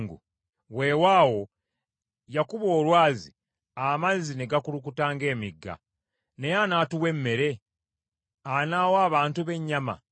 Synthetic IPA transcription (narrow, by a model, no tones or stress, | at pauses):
ŋɡṵ | we̞ːwaːwo̞ | jakuβo̞ːlwaːzi | amazine̞ɡakuluk̬utaːŋɡe̞ːmiɡːa̰ | ne̞janaːtuwe̞mːe̞ɾe̞ | anaːwaːβaːntuβe̞ɲːama̰